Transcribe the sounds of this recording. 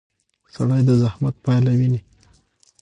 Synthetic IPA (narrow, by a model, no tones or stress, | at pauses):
saɽajd̪əzahmat̪̚pɑjlawini